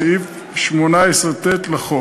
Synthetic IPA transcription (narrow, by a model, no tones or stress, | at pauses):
if | ʃmonaesʁet̪et̪laχo